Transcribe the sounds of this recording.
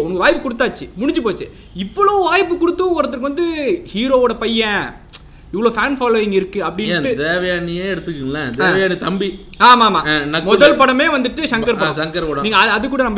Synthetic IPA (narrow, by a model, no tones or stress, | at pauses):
ʊnɐŋɡɐʋaːjpːɯkʊɽɯt̪ːaːt͡ʃːɯmʊɽɪɲd͡ʒɯpoːt͡ʃːɯ | ɪʋːɐɭoːʋaːjpːɯkʊɽɯt̪ːɯɔɾɐt̪ːɯɾk̬ːɯʋɐnd̪ɯhiːɾoːoːɽɐpɐjːɛ̃ | ɪʋːɐɭoːfaːnfaːloːʋɪŋɡɪɾɯkːɯɐpːɐɽɪ̃ɯt̪eːʋɐjaːnijeːɛɽɯt̪ːɯkːɯŋlɐt̪ːʋɐjaːnit̪ɐmbi | aːmaːmaːnɐmɔðɐlpɐɽɐmeːʋɐnd̪ɯʈːɯʂɐŋkɐɾpɐʃɐŋkɐɾpɐɽɐ̃niːŋɡɐɐɐðɯkːuːɽɐnɐmːbɐ